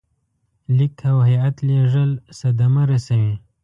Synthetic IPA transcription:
likʰawhajat̪leʐəlsad̪amaɾasawi

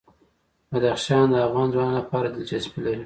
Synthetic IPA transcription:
bad̪axʃɑnd̪əavɣɑnzwɑnlapɑɾad̪ɪld͡ʒasbilaɾi

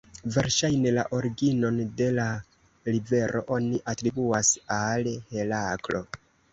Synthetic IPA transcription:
ve̞ɾʃajne̞la̰ʔoɾɡino̞nde̞la | ɾive̞ɾʔo̞̰ʔo̞niʔatɾibuasalhe̞laklo̞̰

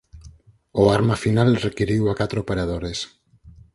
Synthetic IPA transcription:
oaɾmafinalrekiɾiwakat̪ɾoopeɾað̞oɾes

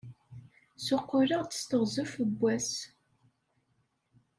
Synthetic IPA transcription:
sʊqːʊɾəʁt͡sːə̥st̪əʁzʊfəbʷːæs

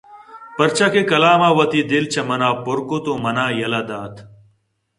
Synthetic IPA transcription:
pɐɾt͡ɕʰɐkekɐlaːmaːwɐt̪id̪ilt͡ɕʰɐmɐnaːpoɾkot̪omɐnaːjɐlɐd̪aːt̪ʰ

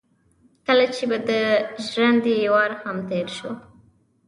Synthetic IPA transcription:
kəlat͡ʃebad̪əʒɾand̪iwɑɾhamt̪eɾʃo

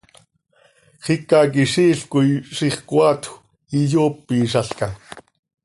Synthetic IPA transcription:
χikak̬iʃiːɬkuiʃiχkwat̪ʰ | ijoːpːiːʃ̬aɬka

